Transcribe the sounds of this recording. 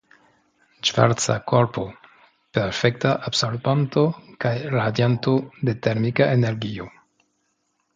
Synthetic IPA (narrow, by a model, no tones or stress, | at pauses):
ʒva̰ɾt͡sa̰ko̞ɾpo̞ | pe̞ɾfe̞k̚taʔabsolbanto̞kajɾadjantode̞te̞ɾmikaʔene̞ɾɡio̞